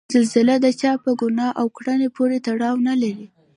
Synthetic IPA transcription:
zɪlzɪlad̪ət͡ʃɑpəɡʊnɑʔawkɽanepʰoɾet̪aɽɑwnalaɾi

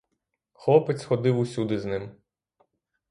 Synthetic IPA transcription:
xɔpɪsxɔd̪ɪwusʲud̪ɪznɪm

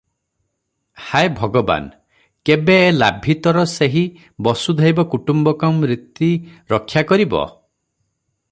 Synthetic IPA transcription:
haebʱɔɡɔba̰n | kebeːla̰bʱit̪ɔɾɔseɦi | bɔsud̪ʱajbɔkuʈumbɔkɔmːɾit̪ːiɾɔkʰːjakɔɾibɔ̰

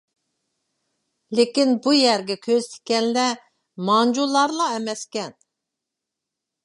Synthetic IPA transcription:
lekʲinbujæɾɡʲɛkʲʰøzt̪ʰɪ̥kʲɛnlɛ | mɑnd͡ʒulˠɑɾlˠɑɛmɛskʲɛn

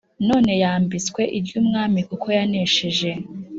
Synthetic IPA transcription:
no̞ːne̞jaːmbit͡skwe̞ʔivjumŋaːmikukʰo̞janeʃeʒe̞

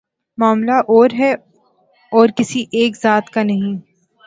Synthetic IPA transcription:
maːmlaʔɔːɾɦɛ | ɔːɾkɪsiʔeːkzaːt̪kanɐɦĩ

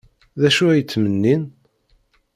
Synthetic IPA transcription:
ðæʃuæjət͡sːmənːin

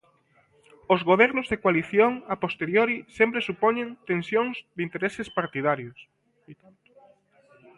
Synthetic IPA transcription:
ozɣoβ̞ɛɾnʊzðekwaliθjoŋapost̪eɾjoɾisempɾesupoɲẽnt̪ensjoŋzðɪint̪eɾesɪspaɾt̪iðaɾjos

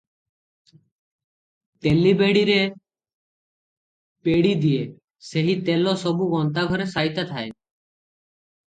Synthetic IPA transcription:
t̪elibeɽiɾe | peɽid̪ie | seɦit̪elosɔbuɡɔnt̪aɡʱɔɾesaɦjt̪at̪ʰae

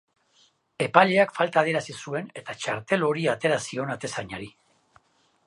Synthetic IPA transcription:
e̞paʎe̞akfalt̪aːðe̞ɾasisue̞ne̞t̪at͡ʃaɾt̪e̞lo̞ɾiat̪e̞ɾasio̞nat̪e̞saɲaɾi

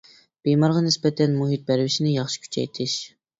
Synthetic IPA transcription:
b̥ejmɑɾʁɑnɪsbɛt̪ʰɛnmuɦit̪̚bæɾvɪʃinɪjɑχʃi̥kʲʰy̥t͡ʃʰɛ̰jt̪ʰɪʃ

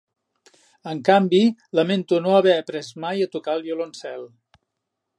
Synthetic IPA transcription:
əŋkambiləment̪unoəβɛəpɾɛzmajət̪ukalˠβjulonsɛlˠ

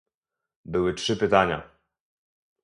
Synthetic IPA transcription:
bɘwɘtʂɘpɘt̪aɲa̰

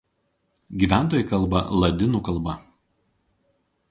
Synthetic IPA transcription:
ɡʲiːˑʋʲæˑnˑt̪oːjɪˑkɐlˠˑbɐ̰lˠɐd̪ʲɪnuːkɐlˠbɐ

